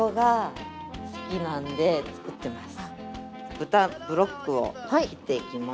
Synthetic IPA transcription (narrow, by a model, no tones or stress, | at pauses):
oɡa | sɨ̥kʲinãnd̪e̞t͡sɨ̥ɯ̟t̪ːe̞masɨ̥ | b̥ɯ̟t̪abɯ̟ɾo̞kːɯo̞̰hait̪ːe̞ikʲima